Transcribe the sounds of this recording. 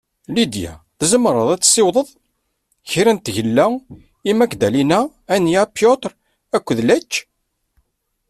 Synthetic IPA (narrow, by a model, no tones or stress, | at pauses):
lid̪jæ̰ | θzəmɾˤəðˤæt͡sːsewðˤəðˤ | çiɾænt̪ːʝəlːæ | imækd̪ælinæ | ænjæpjot̪ɾ | ækʷːðlæt͡ʃː